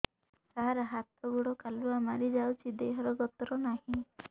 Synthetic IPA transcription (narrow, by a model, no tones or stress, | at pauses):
t̪aɦaɾaɦat̪ɔɡuɽɔkaluamaɾid͡ʒawt͡ʃʰid̪eɦɔɾɔɡɔt̪ɔɾɔnaɦĩ